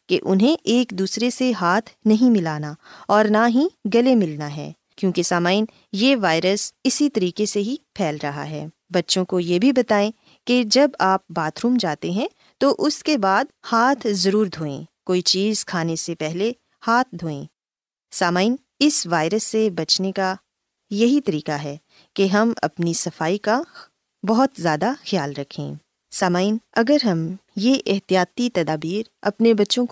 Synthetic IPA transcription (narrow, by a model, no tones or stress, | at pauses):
keʔʊ̰nɦẽʔeːkd̪uːsɾeseɦaːt̪ʰnɐɦĩmɪlaːnaɔːɾnaɦĩɡɐlemɪlnaɦɛ̰ː | kjõːkesaːmaːɪn | jeʋaːɪɾəsɪsit̪ɐɾiːkeseɦipʰɛːlɾɐɦa̰ɦɛ̰ː | bɐtːʃõkojebʱibɐt̪aːẽ | ked͡ʒɐbaːp̚baːt̪ɾũːmd͡ʒaːt̪eɦɛ̃ | t̪oʔʊskebaːd̪haːt̪ʰzɐɾuːɾd̪ʱoːḛ̃ːkoːit͡ʃiːz̥kʰaːnesepɛɦle | haːt̪ʰd̪ʱoːḛ̃ː | saːmaːin | ɪsʋaːɪɾəsːebɐt͡ʃneka | jɐɦit̪ɐɾiːkaɦɛː | keɦɐmɐ̰pnisɐfaːika | bɐɦɔt̪zjaːd̪axjaːlɾɐkʰḛ̃ː | saːmaːinɐɡəɾɦɐmjeʔɪɦt̪ijaːt̪it̪ɐd̪aːbiːɾ | ɐ̰pnebɐtːʃõk